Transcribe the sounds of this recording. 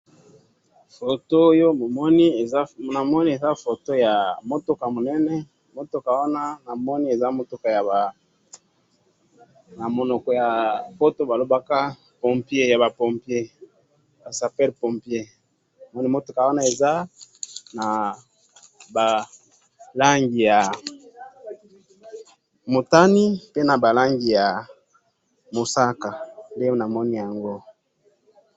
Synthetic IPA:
fo˨to˦jo˦mo˨mɔ˦ni˦e˨za˦˨na˨mɔ˦ni˦e˨za˦fo˨to˦ja˨mo˦to˦ka˨mo˨nɛ˦nɛ˦ | mo˦to˦ka˨wa˦na˦na˨mɔ˦ni˦e˨za˦mo˨to˦ka˨ja˨ba˨ | na˨mo˨nɔ˨kɔ˨ja˨po˦to˦ba˨lo˦ba˦ka˦ | pɔ˨mpje˦ja˨ba˨pɔ˨mpje˦ | ba˨sa˨pɛ˦lpɔ˨mpje˦˨ | ma˦ni˦mo˦to˨ka˨wa˦na˦e˨za˦ | na˨ | ba˨ | la˦ŋɡi˨ja˨ | mo˨ta˦ni˦pe˦na˨ba˨la˦ŋɡi˨ja˨ | mo˨sa˦ka˨nde˦na˨mɔ˦ni˦ja˨ŋɡo˦

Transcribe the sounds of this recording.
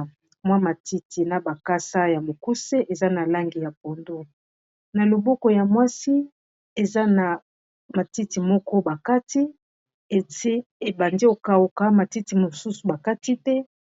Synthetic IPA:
mwa˦ma˨ti˦ti˨na˨ba˨ka˦sa˦ja˨mo˨ku˦se˦ʔe˨za˦na˨la˦ŋɡi˨ja˨p̚o˨ndo˦ | na˨lo˨bɔ˦kɔ˨ja˨mwa˦si˦ | e˨za˦na˨ | ma˨ti˦ti˨mɔ˦kɔ˦ba˨ka˦ti˦ | e˨e˦ | e˨ba˨ndi˦o˨ka˨o˨ka˦ma˨ti˦ti˨mo˨su˦su˨ba˨ka˦ti˦tɛ˦

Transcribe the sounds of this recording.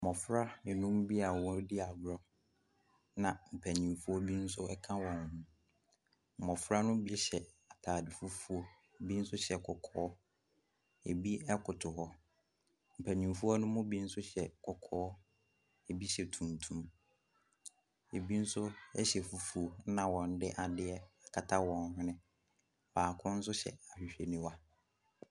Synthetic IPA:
mɔ̃˨fɾa˦nɪ̃˨nũ˦m˦bi˦a˨wɔ̃˦dɪ˦a˨vɾɔ˦ | nã˨m̩˨pʰæ˨ɲĩ˨mfu˦ɔ˦bi˦n̩˦sʊ˦ɛ˦kʰã˦wɔ̃˨ñ˨nũ˦ | m̩˨mɔ̃˨fɾa˦nʊ̃˦bi˦ɕɛ˨ | a˨tʰaː˨dɪ˨fu˦fu˦o˦˨ | bi˦n̩˦sʊ˦ɕɛ˨kʰɔ˨kʰɔː˦ | e˨bi˦ɛ˦kʰʊ˨tʰʊ˨hɔ˦ | m̩˨pʰæ˨nĩ˨fu˦ɔ˦nʊ̃˦mʊ̃˦bi˦n̩˦sʊ˦ɕɛ˨kʰɔ˨kʰɔː˨˦ | e˨bi˦ɕɛ˨tʰũ˨ntʰũ˦m | e˨bi˦n̩˦sʊ˦ɛ˦ɕɛ˨fu˨fu˨o˨˦nã˨wɔ̃˨n̩˦dɪ˦ʔa˨dɪ˦ɛ˦a˨kʰa˨tʰa˦wɔ̃˨n˦hʊ̃˦nɪ̃˦ | baː˨kʰʊ̃˦n̩˦s̬ʊ˦ɕɛ̰˨a˨ɕᶣɪ˨ɕᶣe˨nĩ˦wa˦

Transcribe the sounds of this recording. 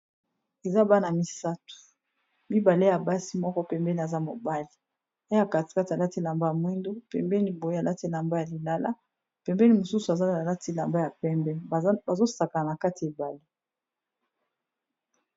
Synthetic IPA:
e˨za˦ba˦na˨mi˦sa˦tu̥˨ | mi˦ba˨le˦ja˨ba˦si˦mɔ˦kɔ˦pɛ˨mbɛ˦ni˨a˨za˦mo˨ba˦li˨˦ | a˨ka˨ti̥˨ka˦ti˨a˨la˦ti˦la˨mba˦ja˨mwi˦ndo˦pɛ̰˨mbɛ˦ni˦bo˨je˦a˨la˦ti˦la˨mba˦ja˨li˨la˦la̰˦ | pɛ˨mbɛ˦ni˦mo˨su˦su˨a˨za˦a˨la˦ti˦la˨mba˦ja˨pɛ˦mbɛ˦˨˦ba˨zo˦sa˨ka˨na˨ka˦ti˨e˨ba˨le˦

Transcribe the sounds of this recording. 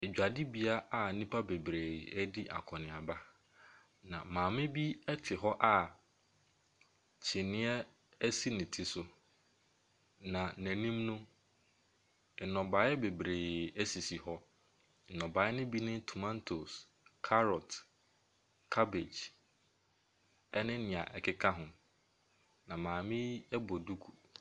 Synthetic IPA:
e˨d͡ʑᶣa˨dɪ˦bi˦a˦ʔa˦nĩ˦pʰa˦be˨bɾe˨ɛ˦dɪ˦ʔa̰˨kʰɔ˨nɪ̃˨a˨ba˦ | nã̰˨mãː˨mɪ̃˦bi˦ɛ˦tʰɪ˨ɦɔ˦ʔa˨ | t͡ɕʰɪ˨nɪ̃˦ɛ˦ | ɛ˦si˦nɪ̃˨tʰi˦sʊ˨ | nã˨nɛ̃˨nĩ˦mnʊ̃˦˨ | nɔ̃˨ba˨˦ɛ˦be˨bɾeː˨æ˦si˨si˨hɔ˦˨ | nɔ̃˨ba˨˦ɪ˦nʊ̃˦bi˦nɪ̃˦tʰu˨mã˦ntʰo˨s | kʰa˦ɾɔ˨t | kʰa˦be˨d͡ʒ | ɛ˦nɪ̃˦nɪ̃˨a̰˨ʔɛ˨kʰɪ˦kʰa˦ɦʊ̃˨ | nã˨mãː˨mɪ̃˦ɛ˦bɔ˨du˦kʰu˨

